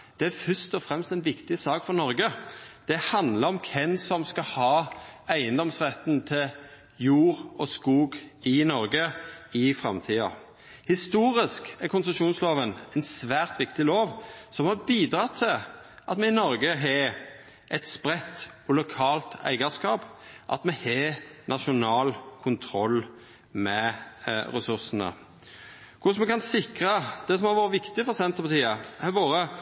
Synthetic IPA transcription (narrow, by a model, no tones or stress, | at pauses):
d̪̥ɛæɾfʏst̪ɔfɾɛmst̪ɛnʋɪkt̪ɪsɑːkfɔɾnɔɾɡəd̪̥ɛhɑnd̪ləɾɔmkʰɛnsɔmskɑhɑːæɪənd̪ɔmsʁɛt̪nt̪ʰɪl | juːɾɔskuːɡɪnɔɾɡəɪfɾɑ̰mt̪ʰiːɑ̰ | hɪst̪uːɾɪskækʰʊnsəʂuːnsloːʋənɛɪnsʋæːʁt̪ʋɪkt̪ɪloːʋsɔmhɑɾbiːd̪ɾɑt̪ʰːɪlʔɑt̪mɛɪnɔɾɡəɦɑ | ʔɛt̪spɾɛt̪ː | ɔlʊkʰɑːlt̪æ̰ɪɡəskɑːpʔɑ̰t̪mɛhenʔɑʃʊnɑːlkʰʊnt̪ʰɾɔlː | mɛ | ɾɛsʉɾsənə̰ | kʰʊʂmɛkɑnsɪkɾəd̪̥ɛsɔmhɑɾʋoːɾəʋɪkt̪ɪfɔɾsɛnt̪əpɑt̪ʰiːəhæboːɾə